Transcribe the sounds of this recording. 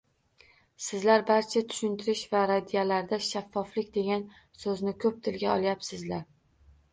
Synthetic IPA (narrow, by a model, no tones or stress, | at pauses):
sɪzlaɾbaɾt͡ʃʰat̪ʰʊ̥ʃʊnt̪ʰɪɾɪʃvaɾad̪ijalaɾd̪aʃafːɒflɪkʲd̪e̞ɡʲan | sɵznɪkʰɵp̚t̪ʰɪlɡʲaɒlˠjapsɪzlaɾ